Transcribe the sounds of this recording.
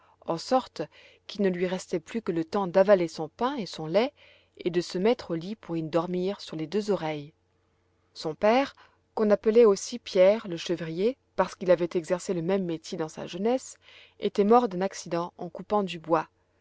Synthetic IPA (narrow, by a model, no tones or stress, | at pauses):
ɑ̃sɔʁt̪ | kʲilnəlɥiʁɛst̪ɛplykələt̪ɑ̃d̪avalesɔ̃pɛ̃esɔ̃lɛ | ed̪əsəmɛt̪χolipuʁid̪ɔʁmiʁsyʁled̪øzɔʁɛj | sɔ̃pɛːʁ | kɔ̃napəlɛosipjɛʁləʃəvʁije | paʁsə̥kilavɛt̪ɛɡzɛʁseləmɛmːet̪jed̪ɑ̃sa̰ʒənɛs | ḛt̪ɛmɔʁd̪ɛ̃naksid̪ɑ̃ɑ̃kupɑ̃d̪ybwa